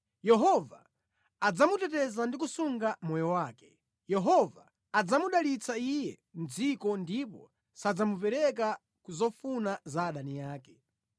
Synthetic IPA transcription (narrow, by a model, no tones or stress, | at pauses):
jɛɦɔvaː | d͡zamutɛtɛzandik̬usuŋɡamɔjɔwaːkɛ̥ | jɛɦɔvaː | d͡zamuɗalit͡saijɛ | n̩d͡zikɔndipɔ̰ | sad͡zamupɛɾɛka | kuzɔfunazaːɗanijaːkɛ̥